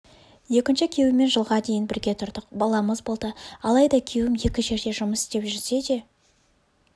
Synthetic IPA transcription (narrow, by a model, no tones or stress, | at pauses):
je̞kʲɪnʃɪkʲʰe̞wɪme̞nʒəlˠʁɑd̪e̞jɪnbɪɾɡʲe̞t̪ʰʊɾd̪əqbɑlˠɑməzbo̞lˠd̪əɑlˠɑjd̪ɑkʲʰe̞wɪmje̞kʲɪʒe̞ɾd̪e̞ʒʊməsɪ̥st̪e̞pʒʏɾze̞d̪e̞